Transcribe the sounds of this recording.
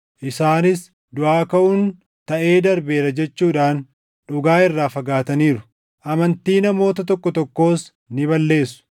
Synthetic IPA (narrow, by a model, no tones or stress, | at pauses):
ʔɪsaːnɪs | d̪ʊʔaːkɐʔʊn | t̪ɐʔe̞ːd̪ɐɾbe̞ːɾɐd͡ʒɛt͡ʃːuːᶑaːn | ᶑʊɡaːɪrːaːfɐɡaːt̪ɐniːɾʊ̥ | ʔɐmɐnt̪iːnɐmo̞ːt̪ɐt̪ɔkːɔt̪ɔkːo̞ːs | nɪbɐlːe̞ːsʊ̥